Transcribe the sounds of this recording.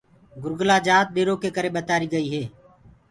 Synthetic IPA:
ɡʊɾɡlaːd͡ʒaːt̪̚ɗeːɾoːkeːkəɾeːɓət̪aːɾiːɡəiːɦeː

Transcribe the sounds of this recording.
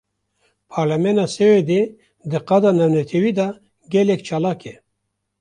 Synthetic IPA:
pʰaɾlamenasewed̪e | d̪əqad̪anawnet̪ʰewid̪a | ɡelekt͡ʃalake

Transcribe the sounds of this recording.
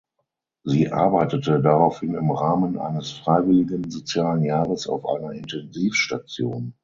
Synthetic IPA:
ziːʔa̰ɐbaɪtətədaʁaʊfhɪnɪmʁaːmənʔa̰ɪnəsfʁ̥aɪvɪlɪɡənzot͡sjaːlənjaːʁəsa̰ʊfʔa̰ɪnɐʔɪntɛnziːfʃtat͡sjoːn

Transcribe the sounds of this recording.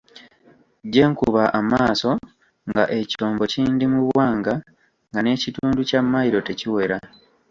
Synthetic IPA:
ɟe̞ːŋkuβaʔamaːso̞ | ŋɡaʔe̞cio̞ːmbo̞ciːndimuβwwaːŋɡa | ŋɡane̞ːcituːnducamːajiɾo̞te̞ciwe̞ɾa

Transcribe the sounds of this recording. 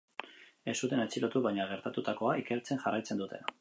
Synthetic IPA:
e̞sut̪e̞net͡silo̞t̪uβajɲaɣ̞e̞ɾt̪at̪ut̪ako̞aike̞ɾt͡se̞nʝarajt͡se̞nd̪ut̪e̞̰n

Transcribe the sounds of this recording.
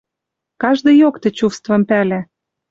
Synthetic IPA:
kɑʒd̪ɤ̆jokt̪ĕt͡ɕufst̪vɤ̆mpælæ

